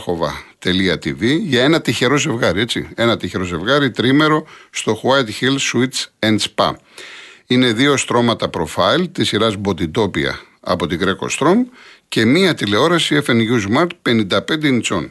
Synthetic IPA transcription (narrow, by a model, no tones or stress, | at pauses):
xo̞vɐ̰t̪e̞liɐt̪iviʝɐe̞nɐt̪içe̞ɾo̞ze̞vɣɐɾie̞t͡sḭe̞nɐt̪içe̞ɾo̞ze̞vɣɐɾit̪ɾime̞ɾo̞st̪o̞xwɐjt̪çilsuit̪t͡senspɐ̰ | ine̞ðio̞st̪ɾo̞mɐt̪ɐpɾo̞fɐilt̪isiɾɐzbo̞t̪it̪o̞piɐ̰ | ɐ̰po̞t̪iɡɾe̞ko̰st̪ɾo̞mce̞miɐt̪ile̞o̞ɾɐsie̞fenʝuzmɐɾt̪̚pe̞nind̪ɐpe̞nd̪enit͡so̞̰n